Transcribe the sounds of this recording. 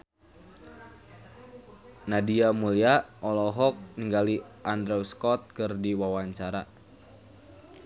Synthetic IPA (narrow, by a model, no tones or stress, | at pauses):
nadiamuliaʔɔlɔɦɔk̚niŋɡaliʔand̪ɾɛuskɔt̪̚kɨrdiwawaɲt͡ʃaɾa